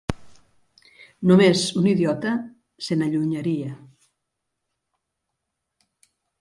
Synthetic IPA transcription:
numesuniðjɔt̪ɐ | senaʎuɲaɾia

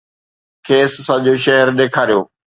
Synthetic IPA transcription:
kʰeːsːɐ̃ʄoːʃɛɦəɾɗ̪eːkʰaːɾijo̰ː

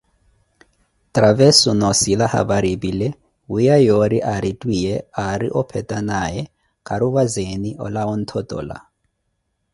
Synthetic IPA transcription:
tʼravɛsunɔsilaha̰baɾibilɛ | wujajoɾiʔaɾitʼwijɛaɾḭʔɔpʰɛtʼanajɛ | kʼaɾuβazeniʔɔ̰laɔn̩t̪ʰɔtʼɔ̰ːla̰

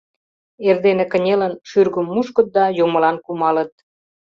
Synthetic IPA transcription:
erd̪enekə̆nʲelənʃyrɣəmːuʃkət̪̚d̪ɑjomə̆lɑnkumɑlət̪̚

